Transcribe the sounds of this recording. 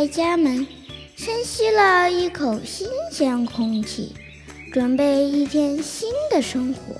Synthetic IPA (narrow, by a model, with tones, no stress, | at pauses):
ɪt͡ɕja˥mə˨n | ʂə˥nɕi˥lə˧i˥˩kʰo˨˩ʊɕi˥nɕjɛ˧˥nkʰʊ˥ŋt͡ɕʰḭ˥˩ | ʈ͡ʂwə˨˩npe˥˧ɪi˥˩t̪ʰjɛ˥˩nɕi˥nd̪ə˨ʂɤ˥ŋxwɔ̰˧˥